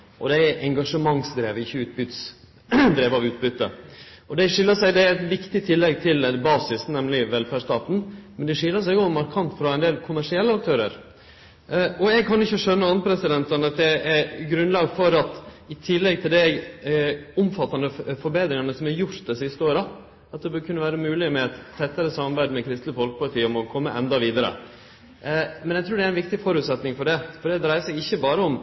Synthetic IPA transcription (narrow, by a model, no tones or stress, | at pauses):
ʔɔ̰d̪ɛæɾʔɛŋɡɑʂəmɑŋsd̪ɾeːʋəɪçːəʉːt̪̚bʏt̪s | d̪ɾeːʋɑʋʉːt̪bʏt̪ːə̰ | ɔd̪ɛʂɪlːəʂæɪd̪ɛæɾɛt̪ʋɪkt̪ɪt̪ʰɪlːɛɡt̪ʰɪlbɑːsɪsnɛmlɪʋɛlfæʂt̪ɑːt̪n̩mɛnd̪ɛʂɪlːəʂ̬æɪjʊɔmːɑɾkʰɑnt̪fɾɑɛnd̪eːlkʰʊmæʂɪɛlːəɑk̚t̪ʰøːɾə̰ɾ | ɔɛɡ̚kʰɑnɪçːəʂœnːəɑnpʰɾɛsɪd̪ɛnt̪ənɑt̪̚d̪ɛɛɾɡɾʉnlɑːɡfɔɾɑt̪ | ɪt̪ʰɪlːɛɡt̪ʰɪld̪ɛ | ʊmfɑt̪ːɑnəfɔɾbeːd̪ɾɪŋɑnəsɔmhɛɾjʊɾt̪d̪ɛsɪst̪əoːɾə | ɑt̪̚d̪ɛbøkʰʉnːəʋæːɾəmʉːlɪmɛɛt̪t̪ʰːɛt̪ːəɾəsɑmːɑɾbæɪd̪mɛkʰɾɪst̪ləfɔlkəpɑt̪ʰiːəɔmɔkʰɔmːə̰ʔɛ̰nd̪ɑʋiːd̪əɾə̰ | mɛnɛɡt̪ʰɾuːɖɛæɾɪnʋɪkt̪ɪfɔɾʉːt̪sɛt̪nɪŋfɔɖɛfɔɖɛd̪ɾæɪəsɛɡɪçːəbɑːɾəɔm